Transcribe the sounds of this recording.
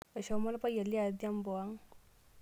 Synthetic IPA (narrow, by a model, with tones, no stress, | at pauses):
ə˨ʃa˨˦ma˦la˦pa˦ja˨li˦a˨d̪a˦mbo˨wa˦ŋ